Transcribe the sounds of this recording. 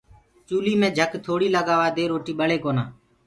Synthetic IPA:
t͡ʃuːliːmẽːd͡ʒʱəkt̪ʰoːɽiːləɠaːʋaːd̪eːɾoːʈiːɓəɭeːkoːnaː

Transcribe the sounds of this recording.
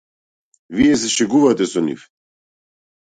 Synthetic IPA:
vijɛs̬ɛʃɛɡuvat̪ɛsɔnḭf

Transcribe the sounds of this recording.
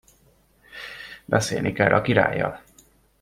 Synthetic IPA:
bɛseːlnikɛlːʔɒkiɾa̰ːjːɒl

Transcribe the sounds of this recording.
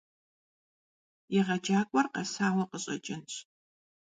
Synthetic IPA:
jɪʁɐd͡ʒaːkʷʼɔrqɐsaːwɐqəɕʼɐ̰t͡ʃʼɪnɕ

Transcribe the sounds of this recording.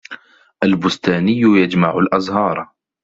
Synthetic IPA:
ʔalbʊst̪aːnɪjːʊjad͡ʒmaʕʊlʔɑzˤɦɑːɾˤ

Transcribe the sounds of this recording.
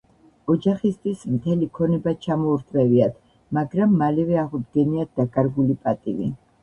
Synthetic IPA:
ɔd͡ʒaχist̪ʰʼwismt̪ʰɛlikʰɔnɛbat͡ʃʰamɔuɾt̪ʰʼɾɛviat̪ʰ | maɡɾamːalɛvɛaʁud̪ɡɛniad̪̚d̪akʼaɾɡulipʼat̪ʼivḭ

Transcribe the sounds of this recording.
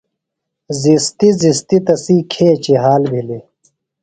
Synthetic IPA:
zist̪izist̪it̪ɐsiːkʰeːt͡ɕiɦaːlbʱile

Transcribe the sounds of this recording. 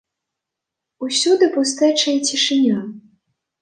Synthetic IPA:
usʲud̪ɨpust̪ɛt͡ʂɐjɐt͡sʲiʂɨnʲa

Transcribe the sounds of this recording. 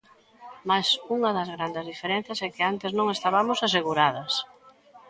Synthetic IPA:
masuŋɐðɐzɣɾand̪ɪzðifeɾɛ̃n̟θjɐsɛkɪant̪ɪznõŋest̪aβamosaseɣuɾaðɐs

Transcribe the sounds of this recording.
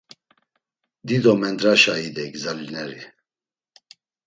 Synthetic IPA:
d̪id̪ɔmɛnd̪ɾaʃaid̪ɛkzalinɛɾi

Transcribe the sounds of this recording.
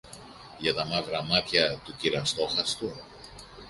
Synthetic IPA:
ʝɐt̪ɐmɐvɾɐmɐt̪çɐt̪uciɾɐst̪o̞xɐst̪u

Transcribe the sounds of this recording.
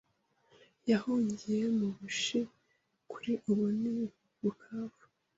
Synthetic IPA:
jahuːɲɟije̞muβuʃi | kʰu̥ɾiʔuβuni | βuhaːvu̥

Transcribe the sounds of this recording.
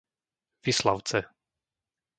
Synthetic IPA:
visla̰ʊt͡sɛ

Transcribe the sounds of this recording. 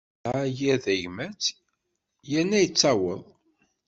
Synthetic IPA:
ajæðæjmæt͡s | jænːæjət͡sːæwəðˤ

